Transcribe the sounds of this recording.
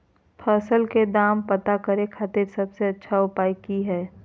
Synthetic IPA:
pʰəːsəlked̪aːmpət̪akəɾẽkʰaːt̪ɪɾsɐbseɐtːʃʰaʊpaːikiɦɛː

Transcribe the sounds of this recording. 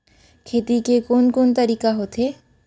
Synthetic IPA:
kʰeːt̪ikekoːnkoːnt̪ɐɾiːkaɦoːt̪ɦeː

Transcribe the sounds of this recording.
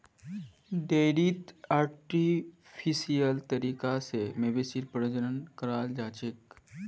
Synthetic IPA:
ɖeːɖiːt̪aːɾʈi | pʰisijəlt̪əɾiːkasemebesiɾpəɾəd͡ʒənənkəɾaːld͡ʒaːt͡ʃek

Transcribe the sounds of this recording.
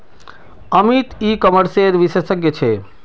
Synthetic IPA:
əmit̪ikɔməɾseɾʋisesəɡjet͡ɕʰe

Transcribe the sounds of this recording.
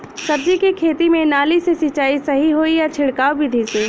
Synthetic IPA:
sɐb̚d͡ʒikikʰeːt̪imẽnaːlisesɪt͡ʃaːisɐɦiɦoːijat͡ʃʰɪɽkaːʋbʱid̪ʱiseː

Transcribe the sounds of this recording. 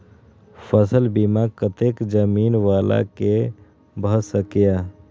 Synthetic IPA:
pʰəsəlbimakət̪eːkd͡ʒəmiːnʋaːla̰ke | bʱəsəkja

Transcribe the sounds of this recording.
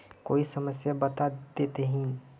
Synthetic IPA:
koːisəməsjabət̪ad̪eːt̪eɦĩ

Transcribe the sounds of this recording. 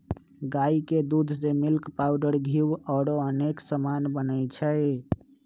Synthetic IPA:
ɡaiked̪ud̪ʱsemilkpaʊɖəɾɡʱiwɔɽoəneksəmanbənəjt͡ʃʰəɪ

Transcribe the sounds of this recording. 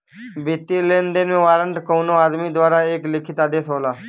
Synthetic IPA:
bɪt̪ːiːleːnd̪enʋẽːʋaːɾəɳʈkoːnõːaːd̪miːd̪waːɾaːeːklɪkʰɪt̪aːd̪eːsɦoːlaː

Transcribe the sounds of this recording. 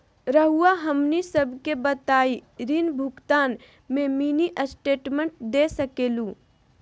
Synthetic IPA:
ɾəɦuaɦəmnisəbʱkebət̪aːiɾinbʱʊkt̪aːn | mẽmiːniʔəsʈeːʈmẽɳʈ̚d̪eːsəkeːlũː

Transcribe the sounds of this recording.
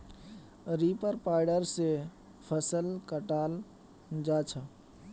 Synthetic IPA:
ɾipəɾpaɪɖəɾse | pʰəsəlkəʈaːl | d͡ʒat͡ʃʰə

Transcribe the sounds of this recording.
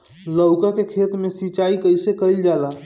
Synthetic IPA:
ləwkakekʰet̪mesit͡ʃaikəjsekəjld͡ʒala

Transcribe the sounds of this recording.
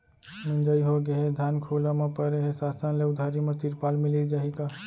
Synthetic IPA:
mə̃nd͡ʒaːiɦoɡeɦed̪ʱjaːnkʰolamepəɾeɦesaːsanleʊd̪ʱaɾimet̪iɾpaːlmɪlid͡ʒaːɦika

